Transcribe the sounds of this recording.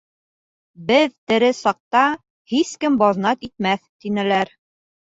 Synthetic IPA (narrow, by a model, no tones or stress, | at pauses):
bɘðt̪ɘ̆ɾɘsɑq̚t̪ɑ | hiskɘmbɑðnɑt̪it̪̚mæθt̪inɘ̆læɾ